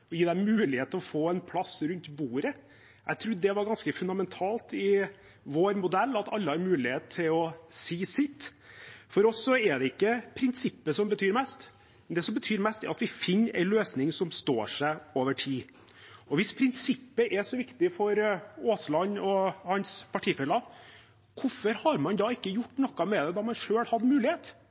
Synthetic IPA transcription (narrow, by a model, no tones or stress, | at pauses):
ɔjiːd̪ɛmʉːlɪheːt̪ʰəlɔfoːɛnpʰlɑsɾʉnt̪buːɾə | ʔæɪt̪ʰɾʉd̪ːəːd̪ɛʋɑɾɡɑnskəfʉnd̪ɑmɛnt̪ʰɑːlt̪ɪ | ʋoːɾmʊd̪ɛlːɑt̪ɑlːəhɑɾmʉːlɪheːt̪̚t̪ʰːɪlɔsiːsɪt̪ːfɔɾɔsːɔɛɖ̪ɛɪkːəpʰɾɪnsɪpːəsɔmbət̪ʰyːɾmɛst̪ | nd̪ɛsɔmbət̪ʰyːɾmɛst̪ɛɾɑt̪ʋɪfɪnːɾʔæ̰ɪnløːsnɪŋsɔmst̪o̰ːʂæɪoːʋəʈʰiː | ɔʋɪspʰɾɪnsɪpːəʔɛʂɔʋɪkt̪ɪfɔɾoːslɑnːɔhɑnspʰɑʈʰiːfɛlːɑ | kʰʊfɔɾhɑɾmɑnd̪ɑːɪkːəjʊʈːnɔkːɑmɛd̪ɛd̪ɑːmɑnʂøːlhɑd̪ːmʉːlɪheːt̪